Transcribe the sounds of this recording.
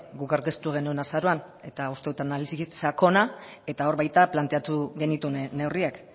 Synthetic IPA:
ɡukaɾkest̪uɣ̞e̞nuenasaɾo̞an | e̞t̪aust̪e̞ðut̪analisisako̞nae̞t̪ao̞ɾβajt̪aplant̪e̞at̪uɣe̞nit̪une̞wriak

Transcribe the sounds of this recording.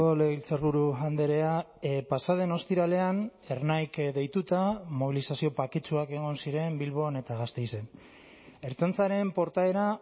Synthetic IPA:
oleɣilt͡serβuɾuand̪eɾe̞a | pasaðe̞no̞st̪iɾale̞ane̞rnajkd̪e̞jt̪ut̪amo̞β̞ilisasio̞pakit͡ʃuake̞ɣ̞o̞nsiɾe̞mbilβo̞ne̞t̪aɣast̪e̞jse̞n | e̞ɾt͡sant͡saɾe̞mpo̞ɾt̪ae̞ɾa

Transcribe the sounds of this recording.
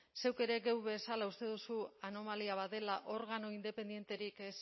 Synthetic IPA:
se̞wke̞ɾe̞ɣewβe̞salaust̪e̞ð̞usuano̞maliaβaðe̞laʔo̞ɾɣ̞anoind̪e̞pe̞nd̪je̞nt̪e̞ɾikes

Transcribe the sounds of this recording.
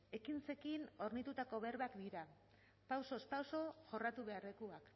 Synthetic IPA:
e̞kint͡se̞kino̞ɾnit̪ut̪ako̞βe̞ɾβakd̪iɾa | pawso̞spawso̞ʝo̞rat̪uβe̞arekuak

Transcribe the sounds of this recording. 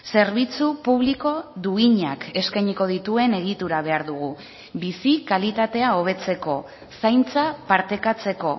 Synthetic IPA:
se̞ɾβit͡supuβliko̞d̪uiɲake̞skajɲiko̞ð̞it̪ue̞ne̞ɣ̞it̪uɾaβ̞e̞aɾðuɣ̞u | βisikalit̪at̪e̞ao̞β̞e̞t͡se̞ko̞ | sajnt͡sapaɾt̪e̞kat͡se̞ko̞

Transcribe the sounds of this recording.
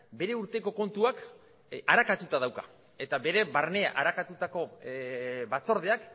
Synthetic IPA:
be̞ɾe̞uɾt̪e̞ko̞ko̞nt̪uak | aɾakat̪ut̪aðawkḁ | e̞t̪abe̞ɾe̞βarne̞a̰ʔaɾakat̪ut̪ako̞ | βat͡so̞ɾð̞e̞ak

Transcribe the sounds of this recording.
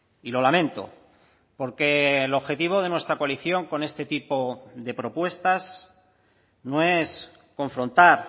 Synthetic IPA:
ilo̞lamẽnt̪o̞̰ | po̞ɾke̞loβxe̞t̪iβ̞o̞ð̞e̞nwe̞st̪ɾakoaliθjo̞ŋko̞ne̞st̪e̞t̪ipoðe̞pɾo̞pwe̞st̪as | noe̞s | ko̞ɱfɾo̞nt̪aɾ

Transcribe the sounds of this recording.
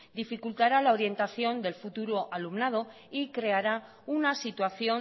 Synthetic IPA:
d̪ifikult̪aɾalao̞ɾje̞nt̪aθjo̞nd̪e̞lfut̪uɾoʔalumnað̞o̞ | ikɾe̞aɾa | unasit̪waθjo̞

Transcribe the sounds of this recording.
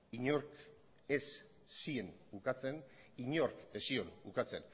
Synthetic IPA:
iɲoɾk | esː | ienukat͡se̞n | iɲo̞ɾkesionukat͡se̞̰n

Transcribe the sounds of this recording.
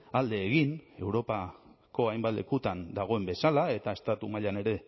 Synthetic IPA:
ald̪e̞ːɣ̞ine̞wɾo̞pa | ko̞ajmbat̪le̞̰kut̪and̪aɣ̞o̞e̞mbe̞salae̞t̪ae̞st̪at̪umaʎane̞ɾe̞

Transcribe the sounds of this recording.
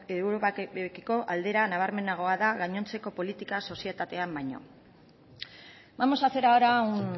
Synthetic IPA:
ewɾopakiko̞ʔald̪e̞ɾanaβ̞aɾme̞naɣ̞o̞aðaɣaɲo̞nt͡se̞ko̞po̞lit̪ikaso̞sie̞t̪at̪e̞ambajɲo̞̰ | mamosase̞ɾaoɾawn

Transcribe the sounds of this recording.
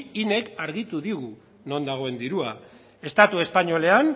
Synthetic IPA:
ine̞kaɾɣit̪uðiɣu | no̞nd̪aɣ̞o̞e̞nd̪iɾua | e̞st̪at̪ue̞spaɲo̞le̞an

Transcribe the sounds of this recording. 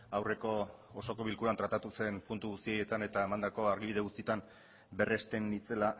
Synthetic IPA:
awre̞ko̞ːso̞ko̞βilkuɾant̪ɾat̪at̪use̞npunt̪uɣust̪ije̞t̪ane̞t̪aemand̪ako̞aɾɣiβiðe̞ɣust̪it̪am | be̞rest̪e̞nit͡se̞la

